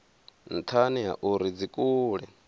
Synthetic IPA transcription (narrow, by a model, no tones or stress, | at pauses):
n̩t̪ʰaniɦa̰ʔuɾid͡zikʼuːɺɛ